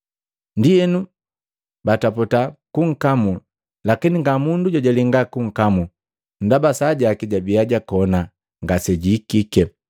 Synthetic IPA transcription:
ndiɛnu | batapɔtakuŋ̩kamu | lakiniŋɡamunduɟaɟaliŋɡakuŋ̩kamu | n̩dabasaɟakiɟabiaɟakɔna | ŋɡasɛɟiːkikɛ

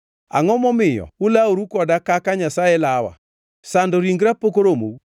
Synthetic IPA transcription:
a̰ŋɔmɔmɪjɔ̰ulaoɾukɔdakakaɲasaɛlawa̰ | sandoɾiŋɡɾapokoɾomo̰

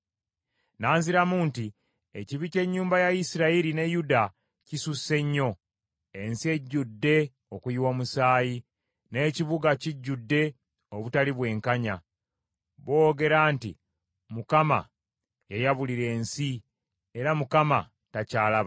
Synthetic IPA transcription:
naːnziɾamunti | eciβice̞ɲːuːmbajaisiɾaiɾine̞juda | cisuse̞ɲːo̞ | e̞nsie̞ɟːudːe̞ | o̞kujiwo̞ːmusaːji | ne̞ːciβuɡaciɟːudːe̞ | oβutaliβwe̞ːŋkaɲa | βo̞ːɡe̞ɾaːntḭ | mukama̰ | jejaβuliɾe̞ːnsi | e̞ɾamukama | tacaːlaβa

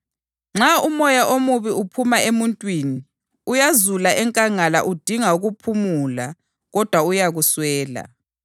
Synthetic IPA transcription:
ŋ͡ǁaumɔjaʔomuβiupʰumaemuntʼwiːni | ujazulaʔɛŋkʼaŋala̰ʔud̥ʱiŋauɣupʰumula | ɣɔd̥ʱwaujaɣuswɛːla̰

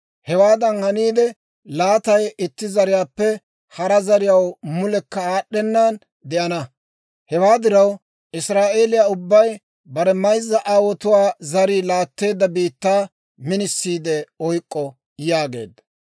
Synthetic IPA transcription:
hɛwaːd̪ɐnhɐniːd̪ɛ | laːt̪ɐjɪt̪ːɪzɐɾɪjaːpːɛ | hɐɾɐzɐɾɪjɐwmʊlɛkːɐaːɗːɛnːan | d̪ɛʔɐnɐ | hɛwaːd̪ɪɾɐw | ʔɪsɾaːʔeːlɪjaːʊbːɐj | bɐɾɛmɐjzːɐʔaːwɔt̪ʊwaːzɐɾiːlaːt̪ːe̞ːd̪ːɐbiːt̪ːaː | mɪnɪsːiːd̪ɛɔjkʼːɔ | jaːɡe̞ːd̪ːɐ

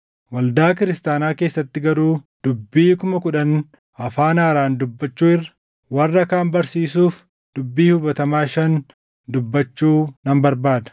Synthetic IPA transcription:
wɐld̪aːkɪɾɪst̪aːnaːke̞ːsːɐt̪ːɪɡɐɾuː | d̪̥ʊbːiːkʊmɐkʊᶑɐn | ɐfaːnaːɾaːnd̪ʊbːɐt͡ʃːuːɪrːɐ̥ | wɐrːɐkaːmbɐɾsiːsuːf | d̪̥ʊbːiːhʊbɐt̪ɐmaːʃɐn | d̪ʊbːɐt͡ʃːuːnɐmbɐɾbaːd̪ɐ̥

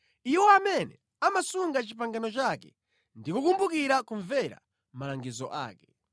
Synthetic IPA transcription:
iwɔamɛnɛ̰ | amasuŋɡat͡ʃipaŋɡanɔt͡ʃakɛ̰ | ndikukumbukiɾakuɱvɛɾa̰ | malaŋɡizɔ̰ʔa̰ːkɛ

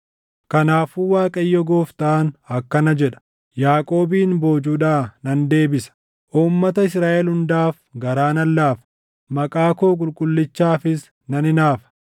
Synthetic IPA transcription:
kɐnaːfuːwaːkʼɐjːɔɡoːft̪aːnɐkːɐnɐd͡ʒɛᶑɐ̥ | jaːkʼo̞ːbiːnbo̞ːd͡ʒuːᶑaːnɐnd̪e̞ːbɪsɐ̥ | ʔuːmːɐt̪ɐɪsɾaːʔɛlhʊnd̪aːfɡɐɾaːnɐlːaːfɐ̥ | mɐkʼaːkoːk̬ʼʊlkʼʊlːɪt͡ʃːaːfɪs | nɐnɪnaːfɐ̥

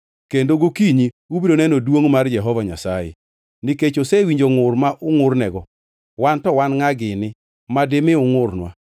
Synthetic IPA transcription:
kendoɡokiɲi | ubidonɛnodwoŋmard͡ʒɛɦɔvaɲasajɛ̰ | nɪket͡ʃosewiɲd͡ʒoŋʊrmaʔʊŋʊrnɛɡɔ | wantɔwanŋaɡɪnɪ | madɪmɪʊŋʊrnwa̰

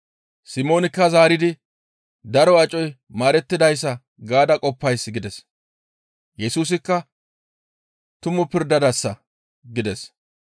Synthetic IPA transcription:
sɪmo̞ːnɪkːɐzaːɾɪd̪ɪ | d̪ɐɾɔɐt͡ʃʼɔj | maːɾɛt̪ːɪd̪ɐjs̬ːɐ | ɡaːd̪ɐkʼɔpːɐjsɡɪd̪ɛs | jɛsuːs̬ɪkːɐ | t̪ʊmʊpɪɾd̪ɐd̪ɐsːɐ | ɡɪd̪ɛs

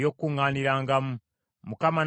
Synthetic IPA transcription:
jokːuŋaːniɾaːŋɡamu | mukaman

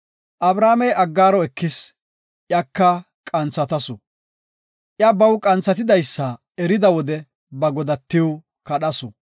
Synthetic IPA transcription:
ʔɐbɾaːmɛjɐɡːaːɾɔɛkːɪs | ʔjɐkːɐ | kʼɐnt͡sːɐt̪ɐsʊ | ʔjɐbɐwkʼɐnt͡sːɐt̪ɪd̪ɐjsːɐ | ɛɾɪd̪ɐwɔd̪ɛ | bɐɡɔd̪ɐt̪ːɪw | kɐɗɐsʊ

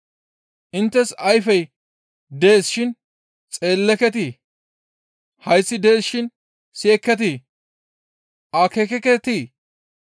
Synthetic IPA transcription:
ʔɪnt̪ːɛsɐjfɛj | d̪eːsʃɪn | t͡sʼe̞ːlːɛkɛt̪̬iː | hɐjsːɪd̪eːsʃɪn | seːkːɛt̪̬i | ʔɐkekɛkɛt̪iː

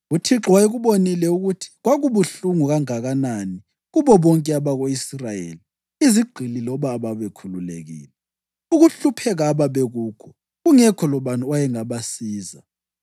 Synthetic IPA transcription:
utʰiǁwaiɣuβonilɛuɣutʰi̥ɣwaɣuβuɬuŋuɣaŋaɣanani | ɣuβɔβɔŋkʼɛaβaɣoisrajḛːli | iziɡ͡ǃʱililɔβaːβaβekʰululḛɣḭːlɛ | uɣuɬupʰɛɣaːβaβeɣuːkʰɔ | ɣuŋɛkʰɔlɔβanuwajɛŋaβasiːza

